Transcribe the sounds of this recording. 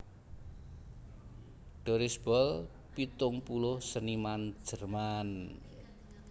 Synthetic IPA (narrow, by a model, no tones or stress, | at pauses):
ɖ̥o̤ɾɪsb̥ɔl | pit̪ʊŋpulʊhsəniman̥ʒ̥ə̤rman